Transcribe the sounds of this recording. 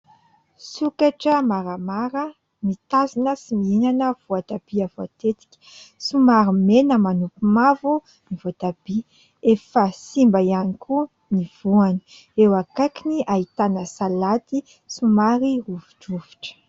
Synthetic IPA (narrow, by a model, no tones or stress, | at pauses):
sukaʈ͡ʂəmaɾamaɾə | mit̪azinəsimiinanəv̥uad̪ab̥iavoat̪et̪i̥kʲi̥sumaɾimenəmanupimavu | nivot̪ab̥i | efəsimbajanikʰu | niv̥uani̥ | ewakajkiniʔaɦit̪anəsalat̪i | sumaɾiruvuʈ͡ʂuvuʈ͡ʂə̥